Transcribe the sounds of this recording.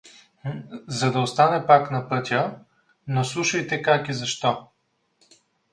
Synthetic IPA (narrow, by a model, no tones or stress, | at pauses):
zɐd̪ɐost̪anɛpaknɐpɤt̪ʲə | noslˠuʃɐjt̪ɛkakizɐʃt̪ɔ